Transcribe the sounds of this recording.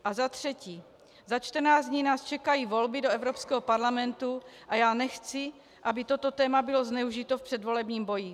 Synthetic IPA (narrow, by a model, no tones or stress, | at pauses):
ʔazat̪r̝̥ɛciː | zat͡ʃt̪r̩naːd͡zd̪ɲiːnaːst͡ʃɛkajiːvo̞lbɪdoɛvɾopskɛɦopaɾlamɛnt̪uʔajaːnɛxt͡sɪ | ʔabɪt̪o̞t̪o̞t̪ɛːmabɪloznɛuʒit̪ofpr̥ɛd̪vo̞lɛbɲiːmbo̞ji